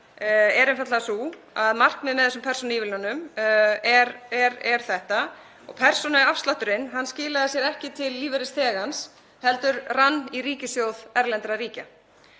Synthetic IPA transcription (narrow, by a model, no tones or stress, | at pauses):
ɛɾɛnfjat̪lasu | aðmar̥knɪmɛðɛsʏmpʰɛɾ̥sɔnivɪlnanːʏmɛɾɛɾɛɾ̥θɛht̪a | ɔɣpʰɛr̥sɔnaafst̪laht̪ʏɾɪnɦanːscɪːlaðasjɛɾɛhcɪt̪ʰɪlːiːvɪɾɪst̪ʰɛːɣans | hɛlt̪ʏɾranːiɾiːcɪsjoːwðɛɾlɛnt̪ɾaɾiːca